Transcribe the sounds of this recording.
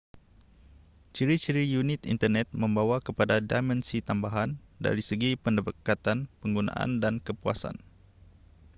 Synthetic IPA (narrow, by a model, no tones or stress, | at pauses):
t͡ʃiɾit͡ʃiɾijunit̪ḭnt̪ərnɛt̪̚mə̃mbawakəpadadamɛnsit̪ambaɦanda̰ɾisəɡipəndəbəkat̪anpəŋɡunã̰ʔa̰ndankəpua̰sa̰n